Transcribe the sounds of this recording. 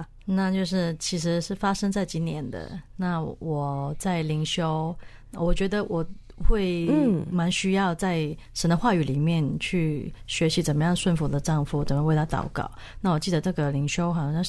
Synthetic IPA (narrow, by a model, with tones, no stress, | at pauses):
na˥˧t͡ɕjo˥˧ʊʂ̬ɻ̩˥˩t͡ɕʰi˧˥ʂɻ̩˧˥ʂɻ̩˥˩fa˥ʂə˥ŋt͡sa˥˩ɪt͡ɕi˧˥njɛ˧˥nd̪ə̰˧na˥˩wɔ˨˩t͡sa˥˩ɪli˧˥ŋɕjo˥ʊ˨ | wɔ˨˩t͡ɕɥɛ˧˥d̪ə˧wʔɔ˨˩ | xwe˥˩ɪma˧˥nɕy˥jɑ˥˧ʊt͡sa˥˩ɪ | ʂə˧˥nd̪ə˧xwa˥˩y˨˩li˨˩mjɛ˥˧nt͡ɕʰy˥˩ɕɥɛ˧˥ɕi˧˥t͡sə˨˩nmə˦jɑ˥˧ŋʂwə˥˩nfu˧˥d̪ə˧ʈ͡ʂɑ˥˧ŋfu˧˩˨t͡sə˨˩mə˧˦we˥˩ɪt̪ʰa˥t̪ɑ̰˨˩ʊkɑ̰˥˩ʊ | na˥˩wɔ˨˩t͡ɕi˥˩d̪ə˩ʈ͡ʂɤ˥˩ɡə˩li˧˥ŋɕjo˥ʊxɑ˥˧ŋ